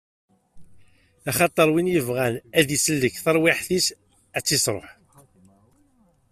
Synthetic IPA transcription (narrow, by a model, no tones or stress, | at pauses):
æχɑt̪ˤəɾˤwinjəvʁænæðisəlːəçθəɾˤwɪħθis | æt͡sːisɾˤo̰ħ